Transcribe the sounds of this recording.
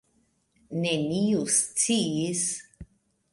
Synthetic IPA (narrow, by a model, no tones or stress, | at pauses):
neniust͡siis